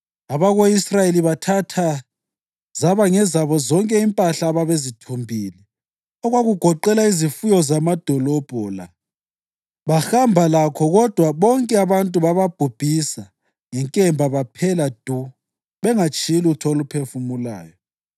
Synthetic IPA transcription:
aβaɣoisrajeliβatʰatʰa | zaβaŋɛzaβɔzɔŋkʼɛimpʼaɬaːβaβezitʰombʱili | ɔɣwaɣuɡ̥ʱɔǃɛlaizifujɔzamad̥ʱɔlɔb̥ʱɔːla̰ | βaxambʱalakʰɔɣɔd̥ʱwaβɔŋkʼɛaβantʼuβaβab̥ʱub̥ʱisa | ŋɛŋkʼɛmbʱaβapʰɛlad̥ʱu | βɛŋat͡ʃʼilutʰɔlupʰefumula̰ːjɔ

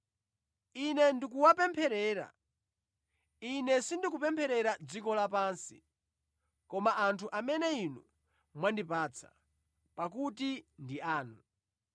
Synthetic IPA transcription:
inɛndik̬uwapɛmpʰɛɾɛːɾa̰ | inɛsindik̬upɛmpʰɛɾɛɾad͡zikɔlapaːnsi | kɔmaʔːntʰuʔamɛnɛinu | mwandipaːt͡sʰḁ̰ | pak̬utindiaːnu

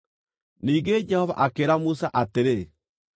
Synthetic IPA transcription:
niːɡed͡ʒɛhɔva̰ʔakeːɾamusaʔateɾe

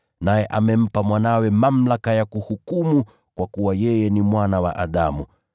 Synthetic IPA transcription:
najɛʔamɛm̩pamwanawɛmam̩lakajakuhukumu | kwakuwajɛjɛnimwanawa̰ʔaɗamu

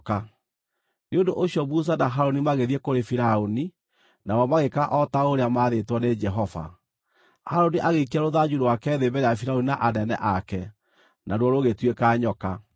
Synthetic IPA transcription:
ka | neondoʔoɕjɔbus̬anaɦaɾonimaɣeðiekoɾefiɾaoni | nawɔmaɣekaʔɔtaoɾeamaːðetwɔned͡ʒɛɦɔva̰ | haɾoniʔaɣeik̬iaɾoðad͡ʒuɾwakɛðebɛɾeafiɾaoninaʔanɛnɛ̰ʔakɛ | naɾwɔɾoɣetwekaɲɔka

